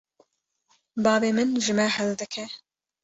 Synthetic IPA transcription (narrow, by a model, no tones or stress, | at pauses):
bɑːbeːmɨnʒɨmɛɦɛld̪ɨkʰɛ